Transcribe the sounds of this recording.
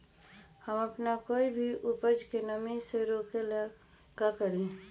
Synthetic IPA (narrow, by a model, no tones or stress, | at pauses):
həməpnakoːibʱiʔʊpəd͡ʒkenəmĩseɾoːkelə | ɡakəɾẽː